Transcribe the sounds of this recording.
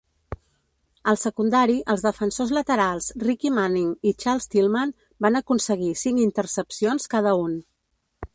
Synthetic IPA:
əlˠsəkund̪aɾiʔəlˠzðəfənsozlət̪əɾalˠzrikimaniŋit͡ʃalˠst̪ilˠman | banəkunsəɣ̞isiŋint̪ərsəpsionskað̞əun

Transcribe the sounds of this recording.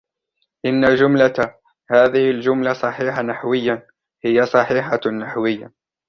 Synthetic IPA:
ʔɪnːad͡ʒʊmla | haːðɪhɪld͡ʒʊmlasˤɑħiːħanaħwɪjːa | hɪjasˤɑħiːħanːaħwɪjːa̰

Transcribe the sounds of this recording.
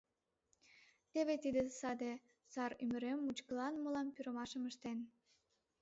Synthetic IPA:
t̪eβet̪id̪əsɑd̪e | sɑɾyməɾemːut͡ɕkəlɑnmolɑmpyɾəmɑʃəməʃt̪en

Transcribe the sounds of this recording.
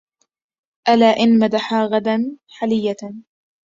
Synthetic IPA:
ʔalaːʔɪnmad̪aħaːɣad̪anħalɪjːa

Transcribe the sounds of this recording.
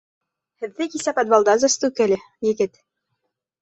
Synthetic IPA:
hɘ̆ðːɘkisæpad̪bɑlˠd̪ɑzəst̪ʉkɘ̆lɘ | jɘ̆ɡɘt̪

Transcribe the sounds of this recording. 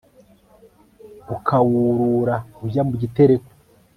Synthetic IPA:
ukʰawuɾuɾaujamuɟite̞ɾeko̥

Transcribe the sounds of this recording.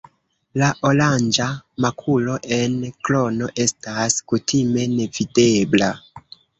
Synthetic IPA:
laʔoland͡ʒamakʰulo̞ʔe̞nklo̞no̞ʔe̞staskutʰime̞ne̞vide̞bla

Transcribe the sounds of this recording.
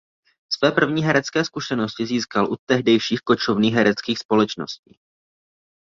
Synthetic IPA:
svɛːpr̩vɲiːɦɛɾɛt͡skɛːskuʃɛno̞scɪziːskalʔut̪ːɛɦdɛjʃiːxko̞t͡ʃovniːɣɦɛɾɛt͡skiːxspo̞lɛt͡ʃno̰scḭː

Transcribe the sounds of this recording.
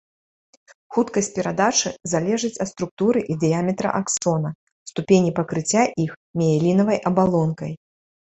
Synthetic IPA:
xut̪kɐsʲt͡sʲpʲɛɾad̪at͡ʂɨzalʲɛʐɨt͡sʲɐt̪st̪ɾuk̚t̪uɾɨʔid̪ijamʲɛt̪ɾɐ̰ʔaksɔnɐ | st̪upʲenʲipɐkɾɨt͡sʲːaʔixmʲɛjɛlʲinɐvɐjʔɐbalˠɔnkɐj

